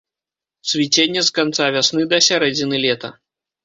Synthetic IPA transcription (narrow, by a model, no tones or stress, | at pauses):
sʲvʲit͡sʲenʲːɐskant̪savʲasnɨd̪ɐsʲaɾɛd͡zʲinɨlʲɛt̪ɐ̰